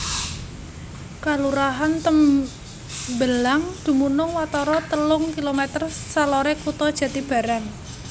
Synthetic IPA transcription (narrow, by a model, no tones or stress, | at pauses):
kaluɾaɦant̪əm | bəlaŋd̪̥ṳmunʊŋwat̪ɔɾɔt̪əlʊŋkilomɛt̪ərsalɔɾekut̪ɔd̥ʒ̥ä̤t̪ib̥a̤ɾaŋ